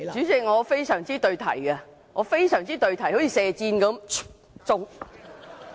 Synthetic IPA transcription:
t͡ʃyː˨˥t͡sɪ˨k̚ŋɔː˨˧fe˥jsœː˨˩ŋt͡siː˥t̪ɵ˧ɥt̪ʰɐ˨˩jkɛ˧ | ŋɔː˨˧fe˥jsœː˨˩ŋt͡siː˥t̪ɵ˧ɥt̪ʰɐ˨˩jho˨˥t͡sʰiː˧sɛː˨˧t͡siː˧nkɐ˨˥m | t͡sʊ˥ŋ

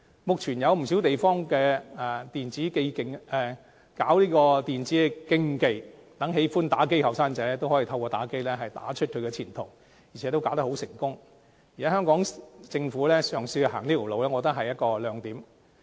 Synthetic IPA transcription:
mʊ˨k̚t͡ʃʰyː˨˩njɐ˨˧wm̩˨˩siː˨˥wt̪e˨jfɔː˥ŋkɛː˧ɛ˨t̪iː˨nt͡siː˨˥ke˥˧jkɪ˨ŋɛː˨˩ | kaː˨˥wliː˥kɔː˧t̪iː˨nt͡siː˨˥ɛ˧kɪ˥ŋke˨˧jt̪ɐ˨˥ŋɦe˨˥jfuː˥nt̪aː˨˥ke˥jhɐ˨wsaː˥ŋt͡sɛː˨˥lɛː˥t̪o˥whoː˨˥ji˨t̪ʰɐ˧wkɔː˧t̪aː˨˥ke˥jlɛː˥ɦɐ˨jt̪a̰ː˨˥t͡ʃʰɵ˥t̚kʰɵ˨˧ɥkɛː˧t͡sʰiː˨˩nt̪ʰʊ˨˩ŋ | ji˨˩ɛ˨˧˥o˥wka˨˥t̪ɐ˥kho˨˥wsɪ̰˨˩ŋkʊ˥ŋ | ji˨˩ɛ˨˥hœː˥ŋkɔː˨˥ŋt͡sɪ˧ŋfuː˨˥lɛː˥sœː˨ŋsiː˧haː˨˩ŋiː˥ko˨˩lo˨wlɛː˥ŋɔː˨˧t̪ɐ˥ɦɐ˨jːɐ˥t̚kɔː˧lœː˨˧ŋt̪iː˨˥m

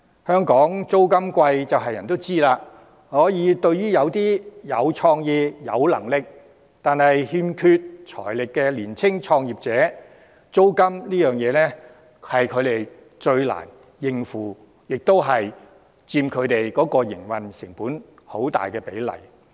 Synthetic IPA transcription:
hœː˥ŋkɔː˨˥ŋt͡so˥wkɐ˥mkʷɐ˧jt͡sɐ˨wɦɐ˨jɐ˨˩nt̪o˥wt͡siː˥laː˧ | hɔː˨˥jiː˨˧t̪ɵ˧ɥɥyː˥jɐ˨˧wt̪iː˥jɐ˨˧wt͡ʃʰɔː˧ŋjiː˧jɐ̰˨˧wlɐ̰˨˩ŋlɪ˨k̚ | t̪aː˨nhɐ˨jhiː˧mkʰy˧t̚t͡ʃʰɔ̰ː˨˩jlɪ˨kːɛː˧liː˨˩nt͡sʰɪ˥ŋt͡ʃʰɔː˧ŋjiː˨p̚t͡sɛː˨˥ | t͡so˥wkɐ˥mliː˥jœː˨ŋjɛː˨˧nɛ˥ | hɐ˨jkʰɵ˨˧ɥɾe˨j | t͡ʃɵ˧ɥla̰ː˨˩n | jɪ˨˧ŋfuː˨˩ | jɪ˨k̚t̪o˥wɦɐ˨j | t͡siː˧mkʰɵ˨˧t̪e˨˩jkɔː˨˥kɔː˧jɪ̰˨˩ŋwɐ˨˩nsɪ˨˩ŋpuː˨˥n | ho˨˥wt̪a̰ː˨jkɛː˧pe˨˥jlɐ̰˨˩j

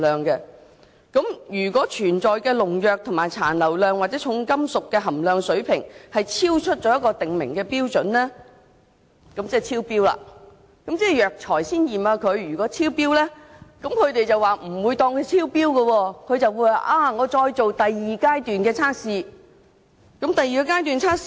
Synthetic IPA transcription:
lœː˨ŋkɛ˧ | kɐ˨˥mjyː˨˩kʷɔː˨˥t͡ʃʰyː˨˩nt͡sɔː˨jkɛː˧lʊ˨˩ŋjœː˨k̚t̪ʰʊ˨˩ŋmaː˨jt͡sʰa̰ː˨˩nlɐ˨˩wlœː˨ŋwaː˨t̚t͡sɛ˨˥t͡ʃʰʊ˨˧˥ŋkɐ˥msʊ˨kːɛː˧ɦɐ˨˩mlœː˨˧ŋsɵ˨˥ɥpʰɪ̰˨˩ŋhɐ˨jt͡sʰiː˥wt͡ʃʰɵ˥t̚t͡ʃɔː˨˥jɐ˥kːɔː˧t̪ɪ˨ŋmɪ̰˨˩ŋkɛː˧piː˥wt͡sɵ˨˥nlɛː˥ | kɐ˨˥mt͡sɛː˥˩t͡sʰiː˥wpiː˥wla̰ː˨ | kɐ˨˥mt͡sɛː˥˩jœː˨k̚t͡ʃʰɔː˨˩jsiː˥njiː˨˩maː˧kʰɵ˨˧ɥɥyː˨˩kɔː˨˥t͡sʰiː˥wpiː˥wlɛː˥kɐ˨˥mkʰɵ˨˧t̪e˨jt͡sɐ˨waː˨m̩˨˩wuː˨˧jt̪ɔː˧ŋkʰɵ˨˧t͡sʰiː˥wpiː˥wɡɐ˧wɔː˧kʰɵ˨˧ɥt͡sɐ˨wuː˨˧ja˨˩ʔaː˧ŋɔː˨˧t͡sɔː˧jt͡so˨wt̪ɐ˨jːiː˨kaː˥jt̪yː˨nkɛː˧t͡sʰaː˥k̚siː˨˧ | kɐ˨˥mt̪ɐ˨jiː˨kɛː˧kaː˥jt̪̬yː˨nt͡sʰaː˥k̚s

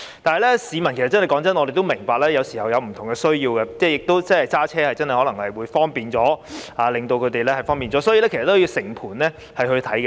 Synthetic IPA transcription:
t̪aː˨nhɐ˨˩jlɛ˥siː˨˧mɐ˨˩nkʰs̚t͡sɐ˥nɐ˨˩kɔː˨˥ŋt͡sɐ˥nɔː˨˧ɾe˨t̪o˥wmɪ˨˩ŋpaː˧k̚lɛː˥jɐ˨˧wsi˨˩hɐ˨˩wjɐ˨˧wm̩˨˩t̪ʰʊ˨˩ŋkɛː˧sɵ˥ɥjiː˧wkɛ˧t͡sɛː˥˩jɪ˨k̚t̪o˥wt͡sɐ˥˩hɐ˨jt͡saː˥t͡sʰɛː˥hɐ˨jt͡sɐ˥nhɐ˨jhɔː˨˥lɐ˨˩ŋhɐ˨jwuː˨˧jfɔː˥ŋpiː˨nt͡ʃɔː˨˥aː˨˧˥lɪ˨ŋt̪o˧wkʰɵ˨˧ɥt̪e˨jlɛː˥hɐ˨jfɔː˥ŋpiː˨nt͡sɔː˨˥sɔː˨˥jːlɛ˥kʰe˨˩sɐ˨t̪ːo˥wjiː˧wsɪ˨˩ŋpʰuː˨˩nlɛː˥ | hɐ˨jɦɵ˧ɥt̪ʰɐ˨˥jkɛ˧

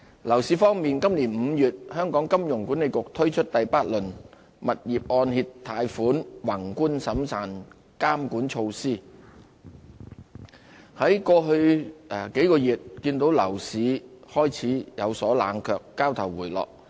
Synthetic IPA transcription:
lɐ˨˩wsiː˨˥fɔː˥ŋmiː˨nkɐ˥mliː˨˩nm̩ː˨˧jyː˨t̚hœː˥ŋkɔː˨˥ŋkɐ˥mjʊ˨˩ŋkuː˨˥nle˨˧jkʊ˨k̚t̪ʰɵ˥ɥt͡ʃʰɵ˥t̚t̪ɐ˨jpaː˥t̚lɵ˨˩n | mɐ˨t̚jiː˨p̚ʔɔː˧nhiː˧tt̪ʰaː˧jfuː˨˥nwaː˨˩ŋkuː˥nsɐ˨˥msaː˨˩n | kaː˥mkuː˨˥nt͡ʃʰo˧wsiː˥ | hɐ˨˥jkɔː˧ɦɵ˧ɥke˨˥jkɔː˧jiː˨˩t̚kiː˧nt̪o˨˥wlɐ˨˩wsiː˨˧hɔː˥jt͡sʰiː˨˥jɐ˨˧wsɔː˨˥la̰ː˨˧nkʰœː˧kːaː˥wt̪ʰɐ˨˩wwuː˨˩jlɔ̰ː˨k̚

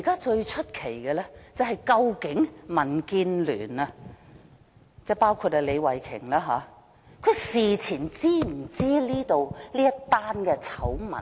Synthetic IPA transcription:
kaː˥t͡ʃɵ˧ɥt͡ʃʰɵ˥t̚kʰe˨˩jkɛː˧lɛː˥t͡sɐ˨whɐ˨jkɐ˧wkɪ˨˥ŋmɐ˨˩nkiː˧nly̰ː˨˩nɐ˧ | t͡sɛː˥˩paː˥wkʰuː˧t̚hɐ˨le˨˧jwɐ˨˩jkʰɪ̰˨˩ŋlaː˥ɦa̰ː˨˦ | kʰɵ˨˧ɥsiː˨˩t͡sʰiː˨˩nt͡siː˥m̩˨˩t͡siː˥liː˥t̪o˨wliː˥jɐ˥t̪ːaː˥nkɛː˧t͡sʰɐ˨˥wmɐ̰˨˩n

